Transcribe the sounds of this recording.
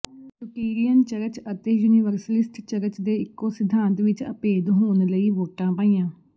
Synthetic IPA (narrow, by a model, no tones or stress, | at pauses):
ʈʊʈiːɾijənt͡ʃəɾət͡ʃət̪eːjuːniːʋəɾsəlɪsʈt͡ʃəɾət͡ʃd̪eːɪkːoːsɪd̪ʱãːnt̪ʋɪt͡ʃə̰peːd̪ɦoːnləiːʋoːʈãːpaːĩːãː